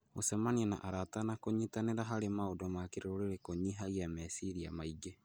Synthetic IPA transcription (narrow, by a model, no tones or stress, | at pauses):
osɛmaniɛna̰ʔaɾatanakoɲitaneɾaɦaɾemaodɔmakeɾeoɾeɾekoɲiɦaɣiamɛsiɾia̰maiɡe